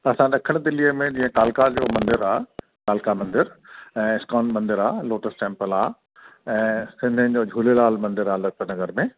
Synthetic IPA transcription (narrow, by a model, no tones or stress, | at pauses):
ɐsãɗɐkʰəɽ̃d̪ɪliəmẽd͡ʑĩːɦə̃kaːlkad͡ʑoːmɐ̃nd̪ɪɾaː | kaːlkamɐ̃nd̪ɪɾɛ̃ːɪskaːɳʈmɐ̃nd̪ɪɾaːloːʈəsʈɛ̃ːmpəlaːɦ | ɛ̃ːsɪ̃nd̪ʱənd͡ʑoːd͡ʑʱuːlelaːlmɐ̃nd̪ɪɾaːlɐɾt̪ənɐɡəɾmẽ